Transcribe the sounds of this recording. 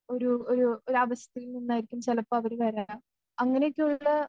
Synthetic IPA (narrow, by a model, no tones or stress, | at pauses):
o̞ɾuoɾuoɾuɐʋɐɕɐ̥t̪ːiɣilninːaːjiɾikʲːumt͡ɕɐlɐpːɐʋɐɾuʋɐɾa | ɐŋːɐnejokʲːeuɭːɐ